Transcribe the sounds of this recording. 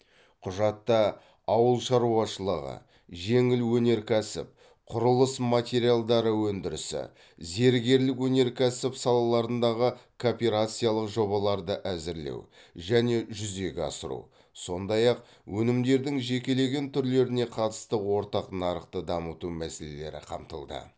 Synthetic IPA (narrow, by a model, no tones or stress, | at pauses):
qʰʊʒɑt̪ːɑ | ɑwəlˠʃɑɾuɑʃəlˠəʁə̰ | ʒe̞ŋɪlwɵne̞ɾkʲʰæsɪ̰p̚ | qʰʊɾəlˠəsmat̪ʲe̞ɾijalˠd̪ɑɾəwɵnd̪ɪɾɪ̰sɪ̰ | ze̞ɾɡʲe̞ɾlɪkwɵne̞ɾkʲʰæsɪpsɑlˠɑlˠɑɾənd̪ɑʁəkʰopʲeɾat̪sijalˠəqʒo̞bɑlˠɑɾd̪əʔæzɪɾlḛwʒæne̞ʒʏze̞ɡʲɑ̰səɾṵ | so̞nd̪ɑjɑq̚ | wʔɵnɪmd̪e̞ɾd̪ɪŋʒe̞kʲe̞le̞ɡʲe̞nt̪ʰʏɾle̞ɾɪne̞qʰɑt̪ə̥st̪əwo̞ɾt̪ɑqnɑɾəqt̪əd̪ɑmət̪umæsele̞̰le̞̰ɾɪ̰qʰɑ̰mt̪ə̰lˠd̪ə̰